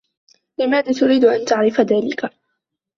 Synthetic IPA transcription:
lɪmaːðaːt̪ʊɾiːd̪ʔant̪aʕɾɪfaðaːlɪka

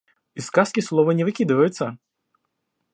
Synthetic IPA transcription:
iskaskʲislˠɔvɐnʲɛvɨkʲid̪ɨvɐjʊt̪sːɐ

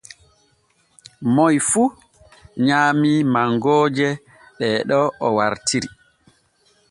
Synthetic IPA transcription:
mɔjfu | ɲaːmimaŋɡɔːd͡ʒɛ | ɗɛɗɔɔwaɾtʰiɾi

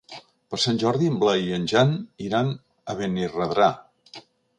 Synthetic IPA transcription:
pəɾsanʲʒɔɾðimblaiənʲʒaniɾan | əβenirəðɾa

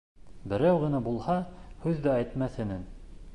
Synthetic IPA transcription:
bɘ̆ɾæwʁɤ̆nɑbulˠhɑhʉðːææjt̪mæθɘ̆nɘn

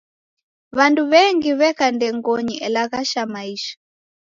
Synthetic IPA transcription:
βanduβɛŋɡiβɛkandɛŋɡɔɲiʔɛlaɣaʃamaiʃḁ

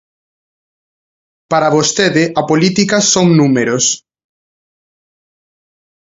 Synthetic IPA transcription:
paɾɐβost̪eðɪʔɐpolit̪ikɐsoŋnumeɾos

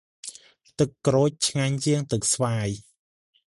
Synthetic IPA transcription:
t̪ɨkːroːc̚t͡ɕʰŋaɲt͡ɕiəŋt̪ɨk̚sʋaːj

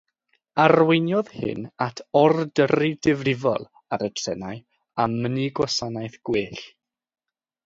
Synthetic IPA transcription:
arwɪnjɔðhɨ̰natʰɔrdəridɪvrɪvɔ̰lˠ | aɾətʰɛnaj | amːəniɡwɔsanajθɡ̥wɪːɬ

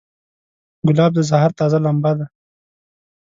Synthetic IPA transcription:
ɡʊlɑːb̚d̪əzaɦɑɾt̪ɑːzalambad̪a

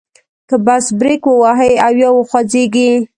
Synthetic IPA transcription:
kəbasbɾikwəwaɦəjawjɑwəxwazeɡi

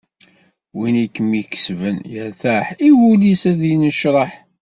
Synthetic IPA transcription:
winikːəmikːə̥svənjæθæħiwulisæðjənəʃɾˤəħ

